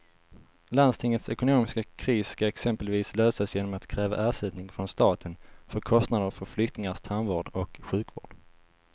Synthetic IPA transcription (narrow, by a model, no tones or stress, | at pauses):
land̪st̪ʰɪŋːət̪sɛkʊnoːmɪskakʰɾiːsskaɛksɛmpəlviːsløːsasjeːnɔmat̪kʰɾɛːva̰ʔæːʂɛd̪nɪŋfɾɔnst̪ɑːt̪ʰənfœɾkʰɔst̪nad̪əɾfœɾflʏkt̪nɪŋast̪ʰanvoːɖɔkɧʉ̟ːkvo̰ːɖ̥